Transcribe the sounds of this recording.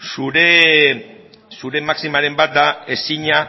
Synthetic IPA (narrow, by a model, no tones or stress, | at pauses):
suɾe | suɾe̞maksimaɾe̞mbat̪̚d̪ae̞siɲa